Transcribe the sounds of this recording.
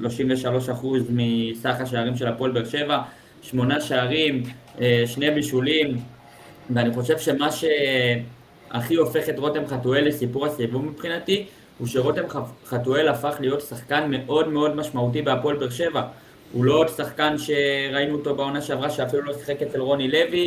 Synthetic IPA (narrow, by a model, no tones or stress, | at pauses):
ʃlo̞ʃimveʃalo̞ʃaχuzmisaχaʃ̬aaʁimʃe̞lapo̞elbeʁʃe̞va | ʃmo̞naʃeaʁim | ʃne̞biʃulim | veaniχo̞ʃe̞vʃe̞maʃe̞ | a̰χio̞fe̞χe̞tʁo̞te̞mχatuele̞sipuʁasivumipχinati | huʃe̞ʁo̞temχatue̞lafaχlijo̞tsaχkanme̞ʔo̞dme̞o̞dmaʃmaut̬ibeapolbeʁʃe̞va | ulodsaχkanʃe̞ʁainuːto̞beo̞naʃeavʁaʃeafilulo̞si̥χe̞kett͡selʁo̞nile̞vi